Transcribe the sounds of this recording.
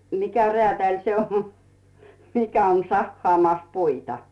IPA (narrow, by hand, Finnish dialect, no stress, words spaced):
mikæ reæˑtæˑlʲ se on mikæ on sɑhːɑːmɑˑs puitɑ